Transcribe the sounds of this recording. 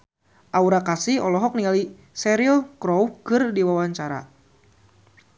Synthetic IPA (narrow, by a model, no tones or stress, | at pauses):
ʔauɾakasihɔlɔɦɔk̚niŋali | sɛɾiɔlkɾɔwkɨrdiwawaɲt͡ʃaɾa̰